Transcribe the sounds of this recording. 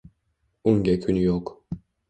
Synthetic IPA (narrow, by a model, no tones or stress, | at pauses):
uŋɡʲɛkʰʲynyjok